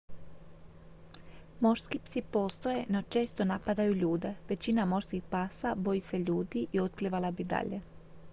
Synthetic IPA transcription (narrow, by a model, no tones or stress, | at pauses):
mo̞ɾskipsipo̞ːst̪o̞je̞not͡ʃe̞ːst̪o̞napad̪ajuʎuːd̪e̞ʋe̞t͡ɕinamo̞ʃskixpaːsabo̞jise̞ʎuːd̪iʔio̞t̪̚pliːʋalabid̪a̰ʎe